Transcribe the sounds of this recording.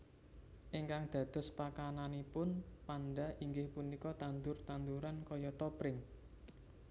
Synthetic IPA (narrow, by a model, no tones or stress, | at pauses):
ʔiŋkaŋd̪̥ä̤d̪̥ɔ̤spakananipʊnpanɖa̤ʔiŋɡɪhpunikɔt̪and̪ʊrt̪and̪uɾankɔjɔt̪ɔpɾɪŋ